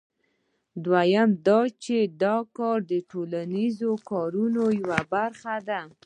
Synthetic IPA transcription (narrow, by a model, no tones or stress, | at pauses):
d̪wajamd̪ɑt͡ʃed̪ɑkɑɾd̪əʈolanizokɑɾunojawabaɾxad̪a